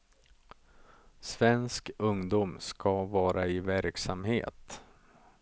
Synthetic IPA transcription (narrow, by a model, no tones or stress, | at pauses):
svɛnskɵŋd̪uːmskavɑːɾaɪvæɾksamhḛːt̪